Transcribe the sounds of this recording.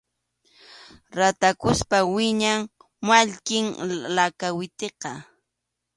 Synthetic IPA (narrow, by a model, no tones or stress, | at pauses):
ɾat̪akʊspawɪɲaŋ | maʎkɪŋlakawɪt̪eqɑ